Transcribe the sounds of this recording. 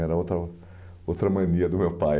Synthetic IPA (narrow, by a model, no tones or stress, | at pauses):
ɛɾɐowt̪ɾɐ | owt̪ɾɐmɐ̃niɐd̪ʊmewpaj